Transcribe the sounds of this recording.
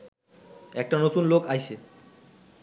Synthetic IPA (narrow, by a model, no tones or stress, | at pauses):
ɛk̚ʈanot̪unlokajʃʰe